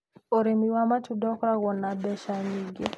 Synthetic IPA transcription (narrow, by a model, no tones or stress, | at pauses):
oɾimiwamat͡ʃudɔkɔɾaɣɔnabɛʃaɲiɡe